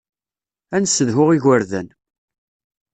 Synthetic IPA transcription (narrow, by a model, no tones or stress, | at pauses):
ænsːəðɦʊʁiʝəɾðæn